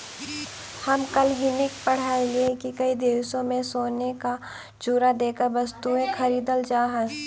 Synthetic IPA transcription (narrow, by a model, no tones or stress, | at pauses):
hɐmkɐlɦɪnɪkpɐɽ̤aːeliekikɐid̪eːʋsõmẽsoːneka | t͡ʃuːɾad̪eːkəɾʋɐst̪uẽxʰɐɾiːd̪əld͡ʒaːɦə